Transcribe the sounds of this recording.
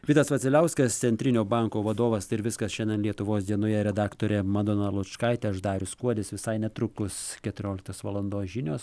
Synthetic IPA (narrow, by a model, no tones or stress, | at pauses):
ʋʲiːt̪ɐsʋɐt̪sʲɪlʲɛʊsʲkɐst̪sʲɛnʲt̪ʲɾʲɪnʲoːbɑŋkoːʋɐd̪oːʋɐsɪɾʋʲɪskɐsʃʲɛnʲɛnlʲiɛt̪ʊʋoːsd̪ʲiɛnojɛɾʲɛd̪ɑːkt̪oːɾʲɛmɐd̪oːnɐlˠʊt͡ʃkɐɪt̪ʲɛɐʃd̪ɑːɾʲʊskuɔd̪ʲɪsʋʲɪsɐɪnʲɛt̪ɾʊkʊskʲɛt̪ʊɾʲoːlʲɪkt̪oːsʋɐlˠɐnd̪oːsʒʲɪnʲoːs